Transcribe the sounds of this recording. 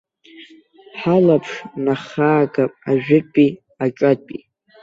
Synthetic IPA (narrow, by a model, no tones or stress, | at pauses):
ħalapʰʂnaχaːɡapʼaʒᶣɪpʼi | aʈ͡ʂʼapʼḭ